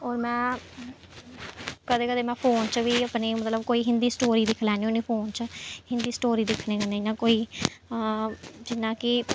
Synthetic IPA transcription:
ɔːɾmɛ̃ː | kəd̪eːkəd̪eːmɛ̃ːpʰoːnt͡ʃʋiːəpneːmət̪ləbkoːiːɦɪnd̪iːsʈoːɾiːd̪ɪkʰlɛːniʊniːpʰoːnt͡ʃəhɪ̃nd̪iːsʈoːɾiːd̪ɪkʰnẽːɡaːnəĩnãːkoːiː | d͡ʒɪnːãːkɪ

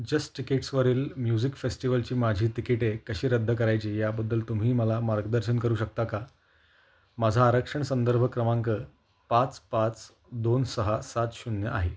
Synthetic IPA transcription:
d͡ʑəsʈʈikeʈsʋəɾiːlmjud͡ʑikfesʈiʋəlt͡ɕiːmad͡ʑʱiːt̪ikeʈekəɕiːɾəd̪ʱːək̬əɾajt͡ɕiːjabəd̪ːəlt̪um̤iːməlamaɾɡd̪əɾɕənkəɾuːɕək̚t̪aka | mad͡zʱaːɾəkʂəɳsənd̪əɾbʱəkɾəmãŋkəː | pat͡spat͡s | d̪onsəɦasat̪ɕunjəʔa̰ɦe

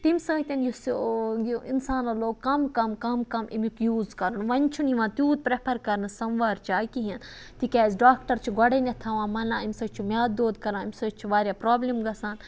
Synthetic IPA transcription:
t̪imʲsɐ̃ːt̪ʲɐnjusuɡuinsaːnɐloːɡkːɐmkɐmkɐmkɐmʔḭmukjuːzkɐɾɨnʋɐnʲt͡ʃʰuniʋãːt̪juːt̪̚pɾepʰɐɾkɐɾnɨsɐnʋaːɾt͡ʃaːkiɦin | t̪ikʲaːzɖaːkʈɐɾt͡ʃʰiɡɐɽenʲɐt̪ʰaʋãːmɐlãːimsɐt͡ʃʰumjaːd̪d̪oːd̪kɐɾãːimʲsɐːt͡ʃʰuʋaːɾʲjaːpɾaːblimɡɐsaːn

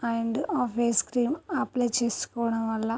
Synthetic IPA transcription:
ɐjɳɖɨʔoːfeːskɾiːmɐpːlɐjt͡ɕeːsu̥kːoːɳɐmɐlːɐ

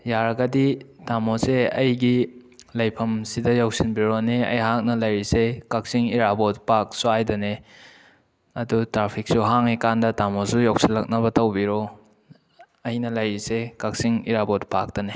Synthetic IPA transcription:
jaɾɐɡɐditamoseɐ̰jɡilɐjpʰɐmsidɐjawsinbiɾoniɐ̰jɦak̚nɐlɐjɾisekɐk̚siŋiɾabɔt̚pak̚suajdɐne | ɐdutɾapʰik̚suɦaŋikandɐtamosujok̚silːɐk̚nɐbɐtɐwbiɾɔ | ɐjnɐlɐjɾisekɐk̚siŋḭɾabɔtpak̚tɐne

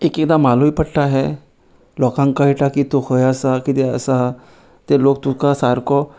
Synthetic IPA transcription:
ekek̚d̪amaluipəɽʈaɦɛ | lɔkãŋkaiʈakit̪ohəjəsakit̪eə̰sa | t̪elok̚t̪ukasaɾkɔ

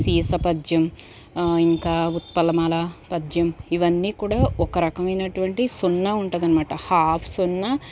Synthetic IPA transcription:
siːsɐpɐd͡ʒjɐm | iŋkaːut̪̚pɐlɐmaːlɐpɐd͡ʒjɐmiʋɐnːiːkuːɽaːɔkɐɾɐkɐmɐjnɐʈuʋɐɳʈisunːaːuɳʈ̪ːd̪ɐnimaːʈɐhaːpʰsunːa

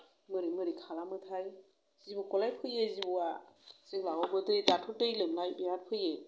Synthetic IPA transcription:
mɯɾimɯɾikʰalamɯtʰaj | z̥ibukɔlajpʰɯjezibɔaseklaɡɔbɯtitatʰutɯjlɯmlajbiatpʰɯje

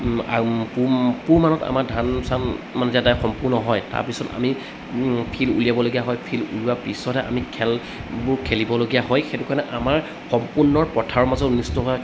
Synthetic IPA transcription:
apupumanɔta̰maɹdʱansanmanɛzadajxɔmpuɹnɔɦɔjta̰ɹpisɔta̰mi | pʰilṵliabɔloɡijaɦɔjpʰilṵluwapisɔtɛʔa̰mikʰɛl | bʊɹkʰelibɔloɡijaɦɔjxetukaɹnɛʔamaɹ | xɔmpunːɔɹpɔtʰaɹɔmazɔtnistɔɦa

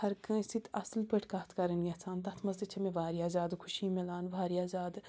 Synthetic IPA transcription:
hɐɾkɐ̃sit̪ʰɐslpɐʈʰkaːt̪ʰkɐɾɐnjɐt͡sʰaːnt̪ɐt̪ʰmɐzd͡ʒɐt͡ʃʰɐmẽʋaːɾiaːzaːd̪kʰuʃimelaːnʋʱaːɾiaːzaːd̪

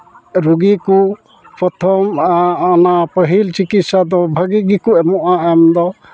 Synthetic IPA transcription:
ɾuɡiku | pɾɔt̪ʰɔmaɔnapəɦilt͡ʃikit̪sad̪ɔbʱaɡiɡikuɛmɔʔaɛmd̪ɔ

